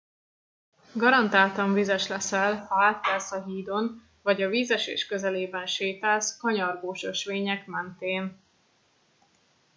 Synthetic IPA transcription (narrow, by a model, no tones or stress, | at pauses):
ɡɒɾɒnt̪aːlt̪ɒɱvizɛʃlɛsɛlhɒaːt̪ːɛlsɒɦiːd̪o̞n | vɒɟɒviːzɛʃḛːʃkø̞zɛleːbɛnʃeːt̪ɛlskɒɲɒrɡoːʃøʃʋeːɲɛkmɛnt̪eːn